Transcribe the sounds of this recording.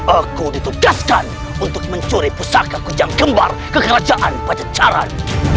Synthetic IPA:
ʔakudit̪uɡaskan | unt̪ʊk̚məɲt͡ʃuɾipusakakud͡ʒaŋɡəmba̰rkəkəɾad͡ʒaʔanpad͡ʒat͡ʃaɾa̰n

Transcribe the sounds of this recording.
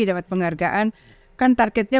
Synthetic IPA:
idapat̪̚pəŋarɡaʔan | kant̪arkɛt̪̚ɲa

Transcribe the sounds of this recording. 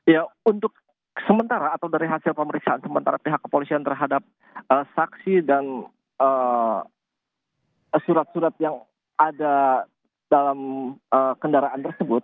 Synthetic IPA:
jaunt̪ʊk̚ | səmənt̪aɾaːt̪awdaɾiɦasɪlpəməɾiksaansəmənt̪aɾapiɦakːə̥polisiant̪ərɦadap̚ | əsaksidan | ə | suɾat̪̚suɾat̪̚jaŋ | ada | dalaməkəndaɾaʔant̪ərsəbʊt̪̚

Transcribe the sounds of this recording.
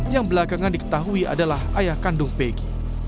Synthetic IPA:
jaŋbəlakaŋandikə̥t̪aɦuiʔa̰dalahajahkandʊŋpeɡi

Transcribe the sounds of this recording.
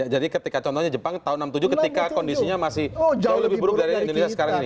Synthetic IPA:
jad͡ʒadikət̪ikat͡ʃɔnt̪ɔhɲad͡ʒəpaŋt̪aɦʊunːamt̪ud͡ʒʊkət̪ikakɔndisiɲamasɪhauləbɪhbəɾʊk̚daɾiindonesiasəkaɾaŋini

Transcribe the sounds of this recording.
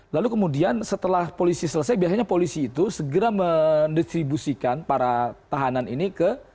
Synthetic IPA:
lalukəmudiansət̪əlahpolisisələs̬ajbiasaɲapolisiːt̪usəɡəɾaməndist̪ɾibusikanpaɾat̪aɦananḭnikə

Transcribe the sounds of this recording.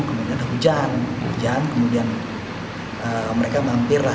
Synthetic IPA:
nkəmudiandaɦud͡ʒanṵd͡ʒankəmudian | əməɾekamampira

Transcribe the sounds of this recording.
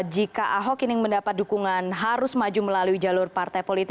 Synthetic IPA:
d͡ʒikaʔaɦɔkinɪŋməndapat̪̚dukuŋanɦaɾʊsmad͡ʒuməlaluid͡ʒalʊrpart̪ajpolit̪

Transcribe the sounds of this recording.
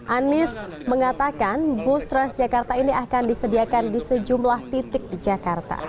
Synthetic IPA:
ʔanɪs | məŋat̪akanbʊst̪ɾansd͡ʒakart̪ainiʔakandisədiakandisəd͡ʒumlaht̪it̪ɪk̚did͡ʒakart̪a̰

